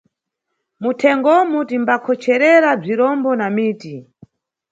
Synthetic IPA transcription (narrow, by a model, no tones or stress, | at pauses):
mutʰɛŋɡɔmutimbakʰɔt͡ʃʰɛɾɛɾab͡ʐiɾɔmbɔnamiːti